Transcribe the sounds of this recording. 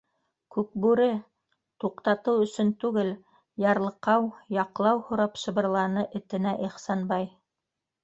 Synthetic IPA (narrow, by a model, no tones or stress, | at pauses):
kʉk̚bʉɾɘ | t̪uqt̪ɑt̪ɤwɵ̆sɵnt̪ʉɡɘl | jɑɾlˠɤ̆qɑwjɑqlˠɑwhŏɾɑpʃɤ̆βɤ̆ɾlˠɑnɤʔɘ̆t̪ɘ̆næʔiχsɑnbɑj